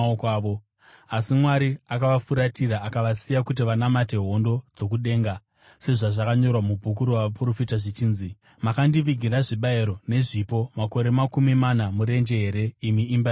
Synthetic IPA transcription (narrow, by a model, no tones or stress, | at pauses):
okaːʋo | asimwaɾiakaʋafuɾatiɾaːkaʋasijakut̬iʋanamate̞ɦo̞ndo̞d͡zo̞kuɗe̞ːŋɡa | se̞ʐaʐakaɲo̞rwamubʱuk̬uɾuwaʋapuro̞fitaʐit͡ʃiːnzi | makandiʋiɡʱiɾaʐiɓaeɾo̞ne̞ʐipo̞mako̞ɾe̞makumimanamuɾe̞nd͡ʒe̞ɦe̞ɾe̞imiːmb